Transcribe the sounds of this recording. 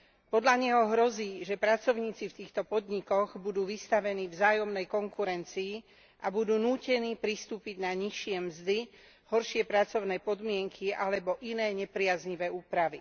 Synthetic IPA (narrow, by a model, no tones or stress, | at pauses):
pɔd̪ʎaɲɛɦɔɦɾɔziːʒɛpɾat͡sɔʊɲiːt͡sift̪iːxt̪ɔpɔd̪ɲikɔɣbud̪uːʋist̪aʋɛniːvzaːjɔmnɛjkɔŋkuɾɛnt͡siː | ʔabud̪uːnuːcɛniːpɾist̪uːpiɟnaɲiʃɪɛmzd̪i | hɔɾʃɪɛpɾat͡sɔʊnɛːpɔd̪mɪɛŋkʰialɛbɔʔinɛːɲɛpɾɪazɲiʋɛːuːpɾaʋi